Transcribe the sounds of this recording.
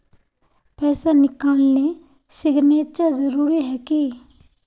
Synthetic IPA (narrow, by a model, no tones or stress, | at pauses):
pɛːsanɪkaːlnẽ | sɪɡneːt̪̚t͡ʃazəɾuːɾiɦɛːki